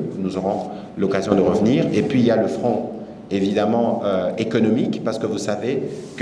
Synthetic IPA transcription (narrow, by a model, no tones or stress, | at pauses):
nuzɔʁɔ̃ | lɔkazjɔ̃d̪əʁəvniːʁepɥiːljaləfχɔ̃ | evid̪amɑ̃øekɔnɔmikpaʁsə̥kəvusavek